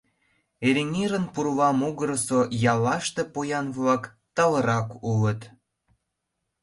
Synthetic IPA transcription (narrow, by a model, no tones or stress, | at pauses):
eɾʲenʲiɾənpuɾβɑmuɣəɾəsojɑlːɑʃt̪epojɑnβlɑk | t̪ɑləɾɑkulət̪